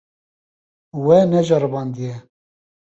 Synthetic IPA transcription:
wɛnɛʒɑɾɨbɑːnd̪ijɛ

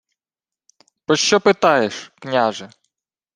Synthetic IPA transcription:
pɾɔʃt͡ʃɔpɪt̪ɑjeʃknʲaʒɛ

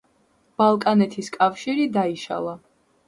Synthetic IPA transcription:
b̥alˠkʼanɛt̪ʰiskʼafʃiɾid̪aiʃa̰lˠa

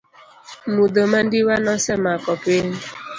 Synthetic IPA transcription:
mudoman̩dɪwanɔsɛmakɔpen̩

